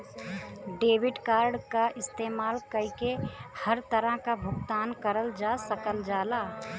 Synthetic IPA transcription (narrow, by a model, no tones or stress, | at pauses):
ɖeːbɪɖkaːɾɖkaʔɪst̪eːmaːlkəɦikehəɾt̪əɾə̃kabʱʊɡt̪aːnkəɾəld͡ʒasəkəld͡ʒaːlaː